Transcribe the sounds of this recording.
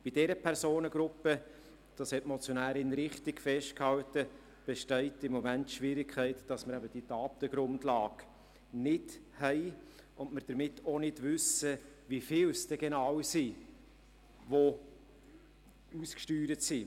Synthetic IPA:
b̥id̥ɛɾəpʰɛɾsoːnəɡɾʊpə | d̥ɑshɛtmɔt͡sjonæːɾɪnɾɪχtɪkfɛʃt̚khɑltə | b̥ɛʃtɛɪtɪmːɔmæntːʃʋɪɾɪkʰχɛɪtd̥ɑsməɾɛbəd̥itɑːp̚təɡ̥ɾʊndlɑːɡ | nɪdhɛɪ | ʔʊnməɾd̥əɾmɪtʰːonɪdvʏsə | ʋifɪːlsd̥ɛɡenɑwsi | ʋo | uskʃtyːɾətsi

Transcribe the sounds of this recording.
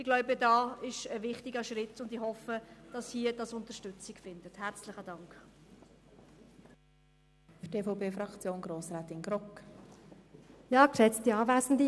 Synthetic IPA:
ɪɡ̥lɔʊbədɑːɪʃəvɪχtɪɡəʃɾɪtʊndihɔfəd̥ɑshiːəd̥ɑsʊnt̪əʃtʏt͡sɪkfɪnd̥əthært͡slɪχədɑŋk | fytʰeːfɔʊpeːfɾɑkt͡sjoːnɡɾoːsɾaːt̪ɪnɡɾɔk | jɑːkʃɛt͡stiɑːvæːzn̩di

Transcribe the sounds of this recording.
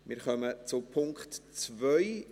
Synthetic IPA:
mɪɾχœmət͡sʊpʰʊŋktt͡svœʏ

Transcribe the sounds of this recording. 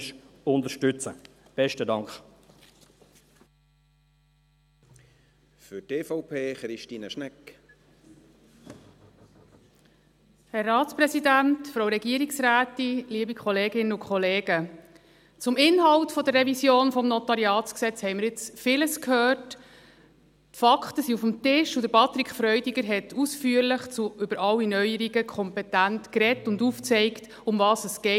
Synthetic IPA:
ʃʊnd̪əʃtʏt͡səb̥ɛʃtədɑŋkχ | fʏteːfɔʊpʰeːχɾɪʃtiːnəʃnɛk | hɛrːɑːtt͡spɾɛsidæntfɾowɾɛɡiːəɾiksɾæːtiliəbikχɔleːɡɪnəʊkʰχɔleːɡə | t͡sʊmɪnɦɑltfɔd̪ərːɛvisjoːnfɔmnɔtɑɾiɑːtt͡sksɛt͡shɛɪməɾjɪt͡sfɪləskhøːrt | fɑkχtəsiufəmtɪʃud̥̪əpɑt̪ɾikχfɾœʏdiɡəɾɦɛtʰusfyːəɾləχt͡suʔʏbəɾɑlːinœʏəɾiɡəkʰχɔmpɛtæntkɾɛtʊnduft͡sɛɪkt | ʊmvɑːsəsɡ̥ɛ

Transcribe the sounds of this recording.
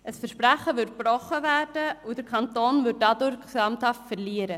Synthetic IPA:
ʔəsfɛɾʃpɾæχəvʏt̚b̥rɔχəvæːd̥əud̥əɾkʰɑntoːnvʏt̚dɑdʊɾkɑmthɑftfɛɾliːəɾə

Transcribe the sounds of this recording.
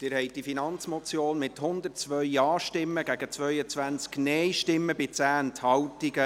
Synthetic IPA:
d̥ɪɾhɛɪt̚d̥ifinɑnt͡smɔt͡sjoːnmɪthʊnd̪ərt͡sʋœɥɑːʃtɪmːəɡæɡət͡sʋœʏət͡sʋænt͡sknɛjʃtɪmːəbɪt͡sæːənthɑwtiɡə

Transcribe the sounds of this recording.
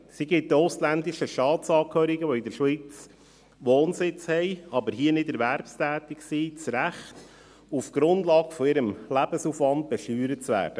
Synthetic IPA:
siɡɪt̚doslænd̪iʃəʃtɑːtsɑːkʰhøːɾiɡəʋɔɪd̪əɾʃʋit͡s | ʋoːnsɪt͡shɛɪɑbəɾɦiːənɪdɛɾʋæɾpstæːt̪ɪksit͡sɾæχt̪ | ufɡ̥ɾʊndlɑːɡfɔɪɾəmlæb̥əsufʋɑnd̪̚b̥ɛʃyːɾət͡sʋæ̰ːɾd̥ə

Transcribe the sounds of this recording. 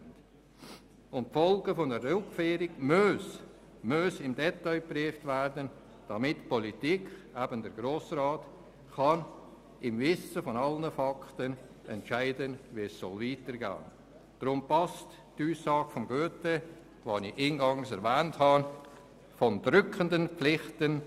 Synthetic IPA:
nt | ʊntfɔlɡəfɔnəɾʊkfeːɾɪɡmøs | møsɪmdɛtaɪpriːftværdən | d̥ɑmɪtpɔlitiːkχæbəndəɾɡɾoːsraːt | χɑn | ɪmvɪsəfɔnɑlnəfɑktən | ɛntʃaɪdənviəssɔlviːtəɾɡa̰ːn | d̥ɾʊmpɑst | tuːsɑːɡ̥fɔmɡøːtə | vɑniiːnɡɑŋsɛɾvɛːnthɑ | fɔndɾʏkʰəndənplɪχtən

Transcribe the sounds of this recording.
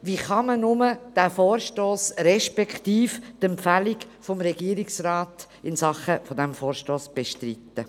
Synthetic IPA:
ʋiχɑmənʊməd̥æːfɔːɾʃtoːsɾɛʃpɛkχt̪iːftɛmpfæliɡ | fɔmɾɛɡiːəɾiksrɑːt | ɪnsɑχəfɔdɛmfɔːɾʃtoːsb̥eʃtrit̪ːə

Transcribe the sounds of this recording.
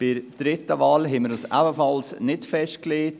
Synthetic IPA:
b̥ɪɾd̥ɾɪtəʋɑːlɦɛməɪɾəsa̰bəfɑlsnɪtfɛʃtkleːt

